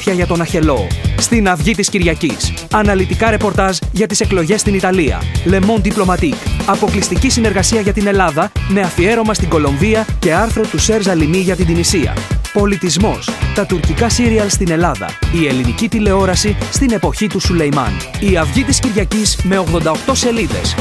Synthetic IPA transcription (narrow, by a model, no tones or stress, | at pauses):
çɐʝɐt̪o̞nɐçe̞lo̞st̪inɐvʝit̪isciɾʝɐcisɐnɐlit̪ikɐɾe̞po̞ɾt̪ɐzʝɐt̪ise̞klo̞ʝe̞st̪init̪ɐliɐ̰le̞mo̞nd̪iplo̞mɐt̪ikɐpo̞klist̪icisine̞ɾɣɐsiɐʝɐt̪ine̞lɐðɐme̞ɐfie̞ɾo̞mɐst̪iɡo̞lo̞ɱviɐce̞ɐɾθɾo̞t̪use̞ɾzɐlimiʝɐt̪ind̪inisiɐ̰po̞lit̪izmo̞st̪ɐt̪uɾcikɐsiɾiɐlst̪ine̞lɐðɐ̰ie̞linicit̪ile̞o̞ɾɐsist̪ine̞poçit̪usule̞jmɐ̰niɐvʝit̪isciɾʝɐcizme̞o̞ɣðo̞nd̪ɐo̞kt̪o̞se̞liðe̞̰s